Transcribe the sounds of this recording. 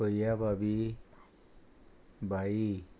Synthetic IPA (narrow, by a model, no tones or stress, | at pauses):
əjabʱabi | bʱai